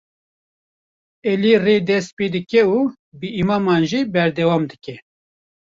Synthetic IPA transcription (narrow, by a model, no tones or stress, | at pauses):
ɛlireːd̪ɛst̪̚ped̪ɨkɛuː | bɨʔimɑːmɑːnʒiːbɛɾd̪ɛwɑːmd̪ɨkɛ